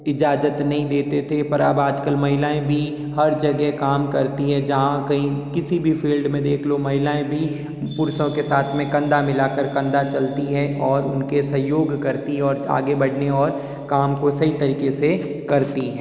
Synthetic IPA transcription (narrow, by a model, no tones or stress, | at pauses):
ɪd͡ʒaːd͡ʒət̪nɐɦĩd̪eːt̪et̪ʰepɐɾɐbaːd͡ʒkəlmɐɦɪlaːẽbʱi | hɐɾd͡ʒɐɡɛkaːmkɐɾt̪iɦɛ̃d͡ʒɐɦãkɐĩkɪsibʱifʰiːlɖmẽd̪eːkʰlomɐɦɪlaːẽbʱi | pʊɾsõkesaːt̪ʰmẽkɐ̃nd̪amɪlaːkəɾkɐ̃nd̪at͡ʃɐlt̪iɦɛ̃ʔɔːɾʊnkesɐ̃joːɡkɐɾt̪iɔːɾa̰ːɡebɐɽ̤neɔːɾ | kaːmkosɐɦit̪ɐɾiːkese | kɐɾt̪iɦɛ̃ː